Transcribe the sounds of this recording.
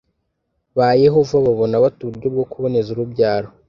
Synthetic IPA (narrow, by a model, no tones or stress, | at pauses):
βajeɦo̞vaβaβo̞naβatuβuɾɟob̚ɡokuβo̞ne̞zuɾubɟaːɾo